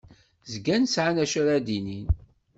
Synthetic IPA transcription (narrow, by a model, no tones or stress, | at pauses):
zɡænsʕanæʃæɾad̪inin